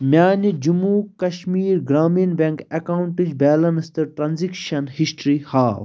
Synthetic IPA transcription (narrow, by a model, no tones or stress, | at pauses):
mjaːnid͡ʒumuːkɐʃmiːɾɡɾaːminbeŋkɐkaːwuɳʈid͡ʒbeːlɐnst̪ɨɾʈɾanzikʃɐnhisʈɾihaːw